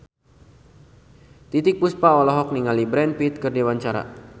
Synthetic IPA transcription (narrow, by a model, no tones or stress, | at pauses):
t̪it̪ɪk̚puspaɔlɔɦɔk̚niŋalibɾɛnpit̪̚kərdewaɲt͡ʃaɾa̰